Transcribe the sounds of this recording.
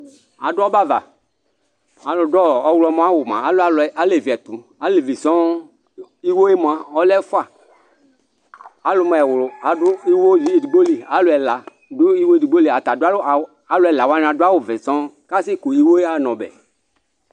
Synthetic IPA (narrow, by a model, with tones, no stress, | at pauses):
a̰˨ɖʊ˦ɔ˦ba˦va̰˨ | a˨lo˨dɔ˦˨ɔ˦wlɔ˦mɔ̃˦a˦wo˨mã̰˨˦la˨˦le˨vi˨ɛ˨t̪u˨ | a˨˦le˨vi˨sɔ̃˦ | i˦wo˦e˦mɔ˨a˨ɔ˦lɛ˦fa˨ | a˨lo˨mɔ˨ɛ˨wlo˨a˨ɖu˦i˦wo˦d͡ʒi˨˦i˨du˨ɡ͡bo˦li˨a˨˦lo˨ɛ˨la˨ | du˦i˦wo˦i˦du˨ɡ͡bo˦li˨a˨t̪a˨du˦a˦l | a˨˦lo˨˦ɛ˨la˨wa˦ñ˨a˨du˦a˦wo˨ve˨sɔ̃˦ka˦si˦ku˨i˦wo˦e˦a˦nɔ̃˨bɛ̰˨